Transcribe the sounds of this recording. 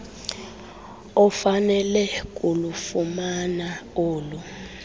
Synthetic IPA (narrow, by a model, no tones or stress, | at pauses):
ɔfanɛlɛkʼulufumanaoːlu